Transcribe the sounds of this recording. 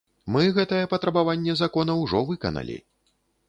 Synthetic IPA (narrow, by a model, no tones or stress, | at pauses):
mɨɣɛt̪ɐjɛpɐt̪ɾɐbavanʲːɛzakɔnɐwʐɔvɨkɐ̰nɐ̰lʲḭ